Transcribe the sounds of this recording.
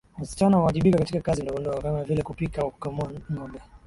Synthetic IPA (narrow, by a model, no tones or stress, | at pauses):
wasi̥t͡ʃanawawaʄiɓikakatikakazindɔɡɔndɔɔkamavilɛkupikaukɔmɔŋɡɔmbɛ